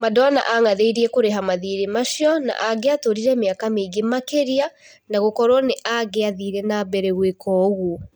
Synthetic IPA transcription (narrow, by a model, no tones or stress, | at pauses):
madɔana̰ʔaŋaðeiɾiɛkoɾeɦamaðiɾemaʃiɔna̰ʔaɡeatoɾiɾɛmeakameiɡemakeɾia | naɣokɔɾwɔneʔaɡeaðiɾɛnabɛɾɛɣwekʰɔɣuo